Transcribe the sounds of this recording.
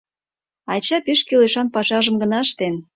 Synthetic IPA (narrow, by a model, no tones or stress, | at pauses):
ɑjt͡ɕɑpeʃkyleʃɑnpɑʃɑʒə̆mɡənɑʃt̪en